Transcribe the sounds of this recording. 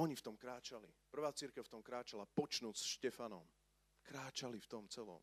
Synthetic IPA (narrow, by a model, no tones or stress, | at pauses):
ɔɲift̪ɔmkɾaːt͡ʃalḭpr̩ʋaːt͡siɾkɛʊft̪ɔmkɾaːt͡ʃalapɔt͡ʃnuːsʃcɛfanɔm | kɾaːt͡ʃalift̪ɔmt͡sɛlɔ̰m